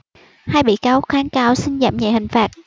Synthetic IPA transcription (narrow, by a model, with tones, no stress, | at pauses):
haː˧jɓḭ˧˨kaː˨˧˦k̚xaː˨˦nkaː˧wsi˧ŋza̰ː˧˨mɲa̰˧˨˩hï˨˩ŋ̟faː˨˩t̚